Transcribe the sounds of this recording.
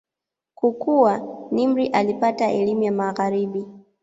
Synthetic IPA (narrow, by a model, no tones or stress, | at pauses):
kukuwanim̩ɾiʔalipataʔɛlimujamaɣaɾiɓi